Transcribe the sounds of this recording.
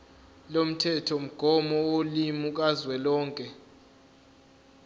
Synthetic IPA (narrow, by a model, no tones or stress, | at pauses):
lom̩tʰɛtʰɔm̩ɡ̥ʱɔmɔwolimuk̬ʼazwɛlɔːŋkʼɛ